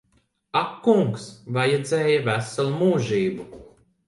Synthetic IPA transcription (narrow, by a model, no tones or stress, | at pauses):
akːuŋksvajɛd̪zɛːjɐvæsalˠumuːʒiːbu